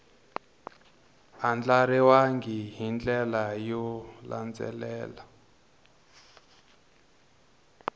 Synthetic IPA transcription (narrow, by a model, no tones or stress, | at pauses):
and͡ɮaɾiwaŋɡiɦind͡ɮɛlajɔla̰nd͡zɛ̰lɛːla